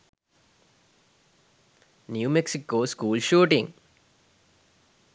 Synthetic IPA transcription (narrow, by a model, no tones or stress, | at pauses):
njuːmeksikːoːskuːlʃuːʈiŋ